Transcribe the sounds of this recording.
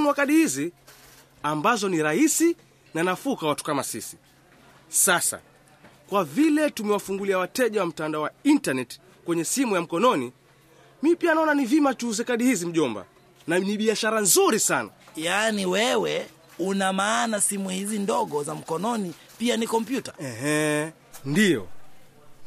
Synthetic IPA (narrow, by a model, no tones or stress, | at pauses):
muakaɗihizi | ambazɔniɾaisi | nanafukawatu̥kamasisi̥ | sasa̰ | kwavilɛtumɛwafuŋɡuliawatɛʄawam̩tandaɔwaintanɛti̥ | kwɛɲɛsimujam̩kɔnɔni | mipianaɔnanivimat͡ʃuzɛkaɗihizim̩ʄɔmba̰ | naniɓiaʃaɾanzuɾisana̰janiwɛwɛ | unamaːnasimuhizindɔɠɔzam̩kɔnɔni | pianikɔmpjutḁɛɦɛ | ndijɔ̰